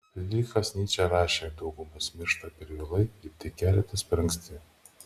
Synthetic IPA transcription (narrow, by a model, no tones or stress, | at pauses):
d̪ʲikɐsʲnʲiːt͡ʃʲɛɾɑːʃʲeːd̪ɒʊɡʊmɐsmʲɪɾʃt̪ɐpʲɛɾʋʲɪlˠɐɪɪɾt̪ʲɛkʲæːlʲɛt̪ɐsʲpʲɾɐŋksʲt̪ʲɪ